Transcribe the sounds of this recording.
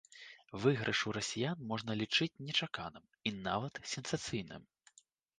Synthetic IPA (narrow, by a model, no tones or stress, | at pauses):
vɨɣɾʔɨʂuɾɐsʲijanmɔʐnɐlʲit͡ʂɨt͡sʲnʲɛt͡ʂakanɨm | inavɐt̪sʲɛnsat̪sɨjnɨ̰m